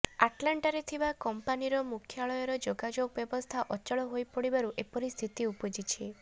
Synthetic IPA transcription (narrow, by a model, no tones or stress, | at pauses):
aʈlaɳʈaɾet̪ʰibakɔmpaniɾɔmukʰjaɭɔjɔɾɔd͡ʒoɡad͡ʒoɡbjɔbɔst̪ʰaʔɔt͡ʃɔɭɔɦojpɔɽibaɾuʔepɔɾist̪ʰit̪iupɔd͡ʒit͡ʃʰi